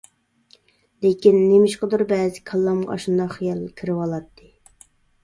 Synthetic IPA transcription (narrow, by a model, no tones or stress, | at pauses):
lekʲinːemɪʃqəd̪uɾbɛːzɪkʰɑlˠːɑmʁɑ̰ʔɑ̰ʃund̪ɑχijɑlˠkʲʰiɾɪwɑlˠɑt̪ʰːɨ